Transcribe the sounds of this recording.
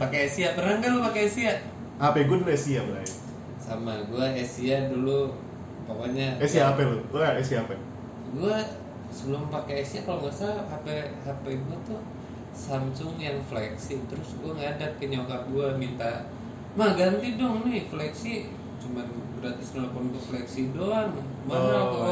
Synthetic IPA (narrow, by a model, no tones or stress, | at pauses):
pakeesiapəɾaŋɡalopakeːsia | apɛɡuadulɛsiabəlait | samaɡuaesiadulu | pakaɲaɛsiaːpɛlouaesiaːpɛ | ɡua | səbəlʊmpakeːsiakaloŋasaapɛhapɛɡuat̪ʊ | samsʊŋjaŋflɛksit̪əɾʊsɡuaŋaːdap̚kəɲawkaɡuamint̪a | mahɡant̪idɔŋnɪhflɛksi | t͡ʃumanbəɾat̪ɪsnalapʊnɡəflɛksidɔŋ | mana